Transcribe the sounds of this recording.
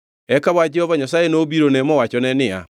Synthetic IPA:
ɛkaβwad͡ʒɛhɔvaɲasaenoːβiɾonemɔwat͡ʃɔnɛnea̰

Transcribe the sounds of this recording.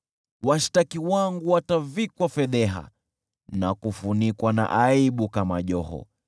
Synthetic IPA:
waʃi̥takiwaŋɡuwatavikwafɛðɛɦa̰ | nakufunikwana̰ʔaiɓukamaʄɔhɔ̰

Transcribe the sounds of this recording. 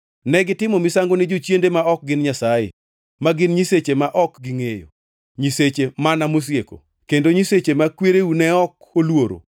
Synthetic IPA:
nɛɡɪtɪmɔmisaŋɡonɪd͡ʒot͡ʃjendemaɔk̚ɡɪnɲasajḛ | maɡɪnɲiset͡ʃemaʔɔkɡɪŋejo̰ | ɲiset͡ʃemanamos̬jeko̰ | kendoɲiset͡ʃemakweɾeunɛɔk | olwoɾo̰

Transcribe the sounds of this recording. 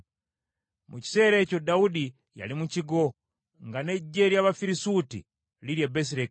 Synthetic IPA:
muci̥se̞ɾe̞co̞daudi | ja̰limuciɡo | ŋɡane̞ɟe̞ljaβafiɾisutḭ | liɾjabes̬iɾe

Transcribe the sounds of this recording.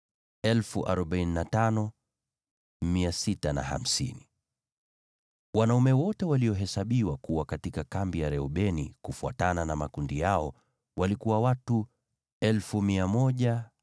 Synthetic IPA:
ɛlfuʔa̰ɾɔɓaininatanɔ | miasitana̰ha̰m̩sḭni | wanaumɛwɔtɛwaliɔɦɛsaɓiwakuwakatikakambijaɾɛɔɓɛnḭkufuatananamakundijaɔ | walikuwawatu | ɛlfumiamɔʄa

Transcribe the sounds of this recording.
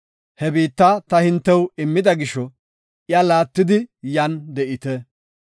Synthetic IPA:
hɛbiːt̪ːɐt̪ɐhɪnt̪ːɛwɪmːɪd̪ɐɡɪʃɔ | jalaːt̪ːɪd̪ɪjɐnd̪ɛʔɪt̪ɛ

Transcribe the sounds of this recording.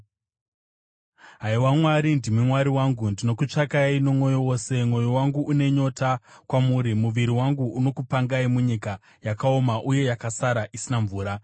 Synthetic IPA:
ɦaiwamwaɾindimwemwaɾiwaŋɡundino̞kut͡ʂakaino̞mo̞jowo̞ːse̞mwo̞jo̞waŋɡuʔune̞ɲo̞takwamuɾimuʋiɾiwaŋɡuːno̞kupaŋɡaimuɲika | jakao̞maʔuje̞jakasaɾaʔisinaɱvuːɾa

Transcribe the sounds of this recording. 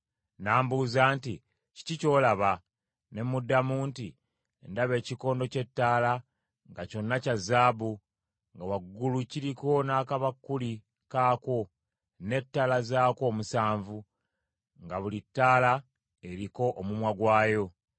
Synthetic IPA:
naːmbuzaːnti | ci̥cico̞ːlaβa | ne̞mudːamuːnti | endaβe̞ːciko̞ːndo̞ce̞tːaːla | ŋɡaco̞nːacazaːbu | ŋɡawaɡːuluciɾiko̞naːkaβakːuli | kaːko̞ | ne̞tːalazaːko̞ːmusaːɱvu | ŋɡaβulitːaːla | e̞ɾiko̞ʔːmumwaɡwaːjo̞

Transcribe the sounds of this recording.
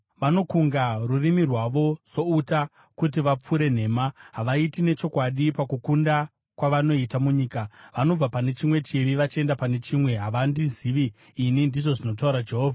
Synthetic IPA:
ʋano̞kuŋɡarurimirwaʋo̞z̥o̞uta | kutiʋap͡fuɾe̞n̤e̞ːmaɦaʋaitine̞t͡ʃo̞kwaɗipakukunda | kwaʋano̞itamuɲiːkaʋano̞b͡vapane̞t͡ʃimwe̞t͡ʃiʋiʋat͡ʃie̞ndapane̞t͡ʃimwe̞ɦaʋandiziːʋiː | nindiʐo̞ʐino̞t̬auɾad͡ʒe̞ɦoːvʱa

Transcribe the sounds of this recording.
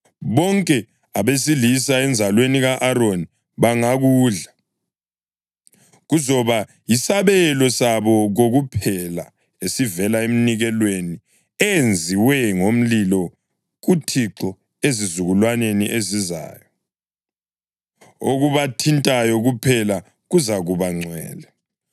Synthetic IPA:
βɔŋkʼɛ | aβesilisaɛnd͡zʱalweniɣaʔaɾoni | βaŋaɣuːɮa | ɣuzɔβa | jisaβɛlɔsaβɔɣoɣupʰɛla | esivɛlaem̩niɣɛlweni | ɛnd͡zʱiwɛŋom̩lilɔ | ɣutʰiǁɔ | ezizuɣulwaneniʔeziza̰ːjɔ | oɣuβatʰintʼajɔɣupʰɛla | ɣuzaɣuβaŋ͡ǀʱwɛ̰ːlɛ

